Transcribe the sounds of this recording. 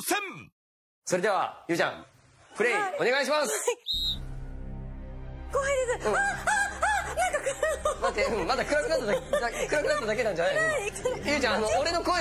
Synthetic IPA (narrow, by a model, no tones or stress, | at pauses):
sem | so̞ɾe̞d̪e̞β̞a̰jɯ̟ːt͡ɕã̰ŋ | kɯ̟ɾeio̞ne̞ɡaiɕ̬imas | koaid̪esɨɯ̃a | nãŋkakmat̪ːeɯ̟̃mad̪akɯ̟ɾakɯnat̪ːad̪nakɯ̟ɾakɯnat̪ːad̪ake̞nãɲd͡ʑanajjɯ̟ːt͡ɕãanoːɾe̞no̞ko